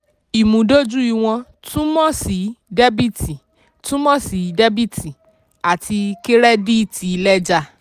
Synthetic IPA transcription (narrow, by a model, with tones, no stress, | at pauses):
i˨mũ˨˦do˦d͡ʒu˦i˦˧˨w̃ɔ̃˧ | tũ˦mɔ̃˦si˨dɛ˦bi˦ti˨ | tũ˦mɔ̃˦˨si˨˦dɛ˦bi˦ti˨ | a˨tʰi˧ke˦ɾɛ˦di˦i˦˨ti˨i˧lɛ˦d͡ʒa˧